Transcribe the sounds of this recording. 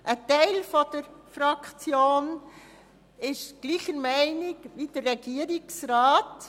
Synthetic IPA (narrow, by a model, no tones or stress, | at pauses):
ʔətɛɪlfɔd̥əɾfɾɑkt͡sjoːn | ɪʃɡ̥liːχəɾmæɪnɪkʋid̥əɾɛɡ̥iːəɾɪksraːt